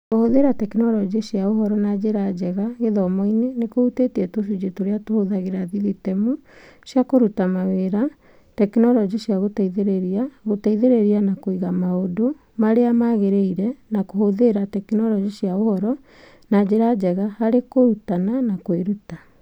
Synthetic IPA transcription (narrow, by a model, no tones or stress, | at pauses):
kohoðeɾatɛkinɔɾɔd͡ʒisiaohɔɾɔnad͡ʑeɾad͡ʒɛɣaɣeðɔmɔinenekoutetiɛtos̬ud͡ʒetoɾeatohoðaɣeɾaðiðitɛmu | sjakoɾutamaweɾa | tɛkinɔɾɔd͡ʒiɕjaɣotaiðeɾeɾiaɣotaiðeɾeɾianakoiɣamaodo | maɾeamaɣeɾeiɾɛnakohoðeɾatɛkinɔɾɔd͡ʒiɕiaohɔɾɔ | nad͡ʑeɾad͡ʒɛɣahaɾekoɾutananakoeɾuta